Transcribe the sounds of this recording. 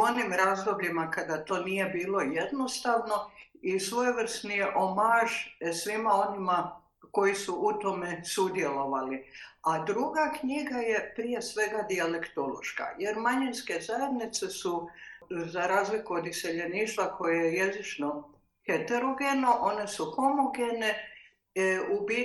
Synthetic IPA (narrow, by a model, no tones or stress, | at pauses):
o̞nimɾaːzd̪o̞bʎimakad̪at̪o̞ːnije̞biːlˠo̞jed̪no̞st̪aʋno̞isʋo̞jeʋr̩st̪nijeʔomaʒsʋimao̞nima | ko̞jisuʔut̪o̞me̞sud̪je̞lo̞ʋaliad̪ɾuɡakɲiɡaje̞pɾije̞sʋe̞ɡad̪iale̞kt̪o̞lo̞̰ʃka̰je̞ɾmaɲinske̞zaje̞d̪nit̪se̞su | zaɾaːzlikuod̪ise̞ʎe̞niːʃt̪ʋakʰo̞jejeje̞zit͡ʃno̞ | het̪eɾo̞ɡenoʔo̞ne̞supo̞moɡene | ubi